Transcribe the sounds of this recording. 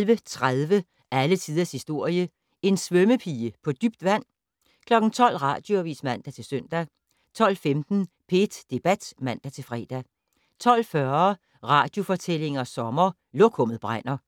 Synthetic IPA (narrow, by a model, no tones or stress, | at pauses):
lʋət͡sʰʁaðˠʋə | ʔælət͡sʰið̞ˠɐshisd̥o̝ɐ̰jə | e̝nsʋœməpʰiːəpʰɒ̽d̥yb̥d̥ʋæn̰ | kʰlɒ̽ɡ̥n̩t͡sʰɒ̽l̰ʁɑ̈ːd̥joɒʋḭːsmæn̰d̥æt͡sʰe̝lsøn̰d̥æ | t͡sʰɒ̽l̰femd̥n̩pʰed̥d̥e̝b̥æd̥mæn̰d̥æt͡sʰe̝lfʁɛ̰ːd̥æ | t͡sʰɒ̽l̰fɶɐ | ʁɑ̈ːd̥jo̝fɒ̽t͡sʰel̰e̝ŋɐsɒ̽mɐ | lɔkʰɔ̽m̰ð̞̩ˠb̥ʁan̰ɐ